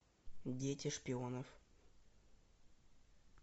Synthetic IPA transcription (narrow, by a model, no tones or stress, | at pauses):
dʲetʲɪʂpʲɪonəf